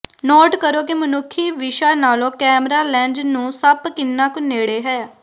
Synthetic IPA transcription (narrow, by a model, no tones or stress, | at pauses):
nɔːʈkəɾoːkimənʊkʰːiːʋɪʃaːnaːlõːkɛːmɾaːlɛ̃ːnd͡ʒnũːsəpkɪnːaːkʊneːɽeːɦɛːjaː